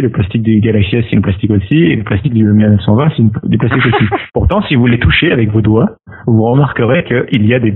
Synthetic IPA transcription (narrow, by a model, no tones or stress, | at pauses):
ləplast̪ik̚d̪yɡalaksiasilplast̪ikosiḛləplast̪ik̚d̪ymɛʁnɛsɑ̃vɛ̃sid̪yplast̪ikosipuʁt̪ɑ̃sivulet̪uʃeavɛkvod̪wa | vuʁəmaʁkəʁekəʔiliad̪e